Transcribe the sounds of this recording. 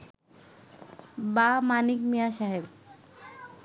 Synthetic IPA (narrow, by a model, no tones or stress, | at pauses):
bamanik̚mijaʃaɦeb